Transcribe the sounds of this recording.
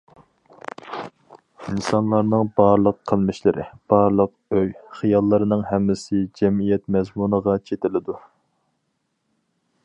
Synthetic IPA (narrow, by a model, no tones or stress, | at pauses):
insɑnlˠɑɾnɨŋbɑɾlˠəqʰːəlˠmɪʃlɪɾʔɪ̰b̥ɑɾlˠəq | øjχijɑlˠːɨɾɨnɨŋɦɛmːɪsɪd͡ʒɛmijɛt̪mɛzmunəʁɑt͡ʃʰet̪ɪlɪd̪u